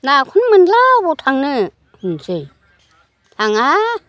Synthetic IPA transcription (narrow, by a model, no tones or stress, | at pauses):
nakʰunmɯnlabɔtʰaŋnɯ | hɯnsɯj | laŋa